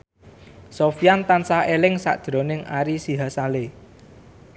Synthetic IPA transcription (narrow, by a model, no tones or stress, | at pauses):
sofijant̪ansahelɪŋsa̰ʔd̥ʒ̥ɾo̤nɪŋa̰ɾisiɦasale